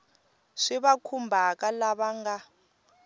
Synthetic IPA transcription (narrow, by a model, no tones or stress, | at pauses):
ʂiβakʰumbʱakʼalaβaŋɡa